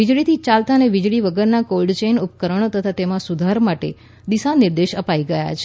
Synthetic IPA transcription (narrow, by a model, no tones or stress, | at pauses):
ʋid͡ʒɭit̪ʰit͡ʃalt̪aneʋid͡ʒɭiʋəɡəɾnakolɖt͡ʃenupkəɾəɳ̃ot̪ət̪ʰat̪emãsud̪ʱaɾmaʈḛ | d̪isaniɾd̪eʃəpaiɡəja̰t͡ʃʰe̥